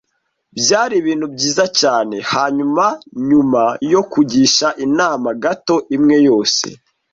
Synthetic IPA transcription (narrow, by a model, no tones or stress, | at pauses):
bjaːɾiβiːn̥hubɟiːzacaːne̞haɲumaɲumajo̞kuɟiːʃaʔinaːmaɡato̞ʔimŋe̞jo̞ːse̞̰